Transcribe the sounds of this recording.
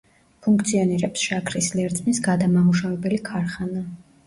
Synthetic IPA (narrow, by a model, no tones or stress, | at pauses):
pʰuŋkʰt̪sʰiɔniɾɛpsʃakʰɾislɛɾt̪ʼnisɡad̪amamuʃavɛbɛlikʰaɾχana